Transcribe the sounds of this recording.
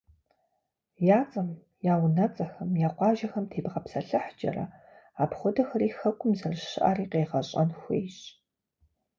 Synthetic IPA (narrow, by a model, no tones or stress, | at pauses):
jaːt͡sʼɐm | jaːwnɐt͡sʼɐxɐmjaːqʷɑːʒɐxɐmtʰeːbʁɐpsɐɬɨħd͡ʒʼɐ̰rɐ̰ | aːpχʷʊdɐxɐriːxɐkʷʼʊmzɐrʃɨʔa̰ːriːqeːʁɐɕʼɐnxʷḛːjɕ